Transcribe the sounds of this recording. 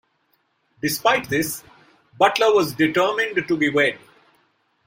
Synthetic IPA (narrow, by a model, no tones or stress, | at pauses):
ɖɪspaɪʈ̚d̪ɪs | bʌʈləʋɔzɖɪʈəːmɪ̃nɖʈubiweɖ̚